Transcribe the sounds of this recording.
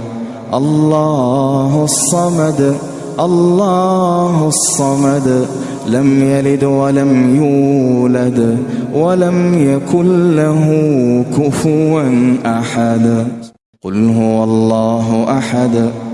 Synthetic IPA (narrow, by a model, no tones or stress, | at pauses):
ʔɑlˤːɑːɦsˤːɑmɑd̪ | ʔɑlˤːɑːhsˤːɑmɑd̪ | lamjalɪd̪walamjuːlad̪ | walamjakʊnːaɦukʊfʊɾanʔaħad̪ | qʊlɦʊwalˤːɑːɦʔaħad̪